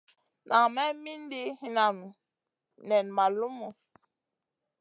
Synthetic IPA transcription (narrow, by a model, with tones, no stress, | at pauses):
nʔa˨mɛ˦mi˦n˦di˦hi˨na˨nu˨ | nɛ˨nma˨lu˦mu˨